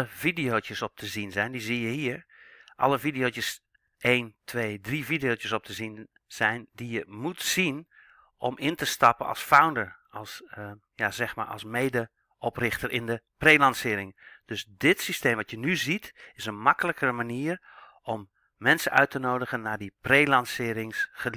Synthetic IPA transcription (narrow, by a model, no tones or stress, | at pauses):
əvidijotəsɔp̚tʰəzinzɛjndizijəhiəɹʔɑ̰ləfidijoːt͡ʃjəs | eːntʰʋeːdrifidijoːt͡ʃəsɔp̚tʰəzin | z̥ɛjndijəmutsin | ʔɔmɪntəstɑpənɑ̰lˠsfawndəɹɑlˠs | jazɛxma̰ɹʔɑ̰lˠsmeːjdə | ɔprɪxtərʔɪndəpreːlɑnsɪːɾɪŋd̥øsdɪtsisteːmʋɑtʰjənyzitɪsənmɑkələkəɾəmaniər | ɔmː | ɛnsənœɥtənoːdəɣənːadipreːlɑnsɪːɾɪŋsχə